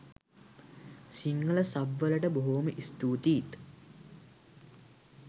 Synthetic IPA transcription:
siŋɡələsaʋʋələʈəboɦoməʔist̪uːt̪iːt̪

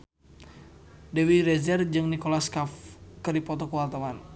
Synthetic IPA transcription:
dɛwiɾɛzɛrd͡ʒɨŋnikolaskafkərdipɔt̪ɔkəwalt̪awan

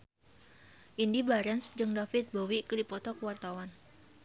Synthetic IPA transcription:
ʔindibaɾɛnsd͡ʒəŋdafɪt̪̚bowikəlipɔt̪ɔkəwart̪awan

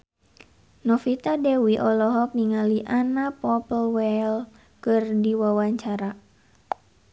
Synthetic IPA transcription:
nɔfit̪adɛwiʔɔlɔɦɔk̚niŋaliʔanapɔpəlwɛl | kɨrdiwawaɲt͡ʃaɾa

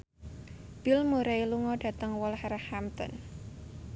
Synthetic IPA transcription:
b̥ɪlmuɾailuŋɔɖ̥a̤t̪əŋwɔlhɛɾahamt̪ɔ̰n

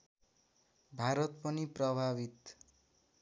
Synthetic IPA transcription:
bʱaɾʌt̪pʌniprʌbʱabit̪

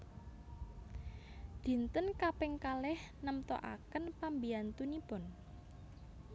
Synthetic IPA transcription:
d̪̥i̤nt̪ənkapɛŋkalɛhnəmt̪ɔ̰ʔa̰kənpambiant̪unipʊn

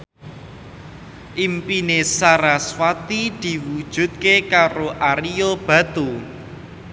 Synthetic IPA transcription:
ʔimpinesaɾaswat̪id̪̥i̤wud̥ʒ̥ṳt̪̚kekaɾoʔaɾiob̥ä̤t̪u

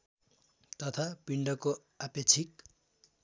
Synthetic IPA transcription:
t̪ʌt̪ʰapiɳɖʌko | apet͡sʰik̚

